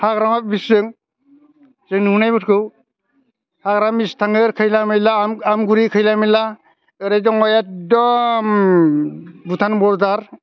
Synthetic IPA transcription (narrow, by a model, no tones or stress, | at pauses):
haɡɾamabisɯŋ | sɯŋnɯunajbɯtkʰɯw | haɡɾamistʰaŋɯɾkʰɯjlamɯjlamamɡuɾikʰɯjlamila | ɯɾajdɔŋɔjadɔm | butʰanbɔɾdaɾ